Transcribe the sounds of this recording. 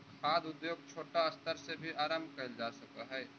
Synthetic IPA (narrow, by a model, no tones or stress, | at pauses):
kʰaːd̪ʊd̪joːɡ̚t͡ʃʰoːʈaɐst̪əɾsebʱiʔaːɾaːmkɐɾd͡ʒaːsɐkəɦɛː